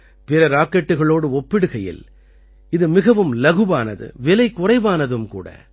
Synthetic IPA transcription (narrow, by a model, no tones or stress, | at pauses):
pɪɾɐɾaːkːɐʈːɯɣɐɭoːɽɯɔpːɪɽɯɣɐjɪ̰l | ɪðɯmɪɣɐʋɯmlɐɣɯʋaːnɐ̰ðɯ̰ʋɪlɐɪkʊrɐɪʋaːnɐðɯmkuːɽɐ̰